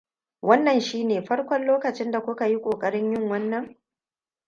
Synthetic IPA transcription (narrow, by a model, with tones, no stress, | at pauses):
wʔɐ˦nːɐ˨nʃiː˦neː˨ɸɐ˦ɽkʷɔ˦nloː˦kɐ˨t͡ʃɪ˦nda˨kʷʊ˦ka˨ji˦kʷʼoː˨kʼɐ˦ɽɪ˦ɲjɪ˦ŋwɐ˦nːɐ˨ŋ